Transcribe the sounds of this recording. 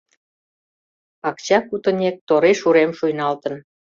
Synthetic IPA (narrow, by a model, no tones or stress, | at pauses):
ɑkt͡ɕɑkut̪ə̆nʲek̚t̪oɾeʃuɾemʃujnɑlt̪ə̆n